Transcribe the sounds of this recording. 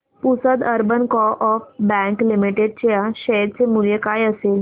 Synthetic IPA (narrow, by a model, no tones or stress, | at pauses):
pusəd̪əɾbənkɔʔɔfbɛ̃ŋklimiʈeɖ̚t͡ɕjaɕəɾt͡semuljekajəsel